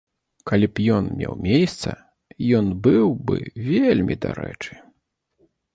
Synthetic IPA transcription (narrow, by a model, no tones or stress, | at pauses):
kalʲipjɔnmʲɛwmʲejst̪sɐ | jɔnbɨwbɨvʲelʲmʲid̪aɾɛt͡ʂɨ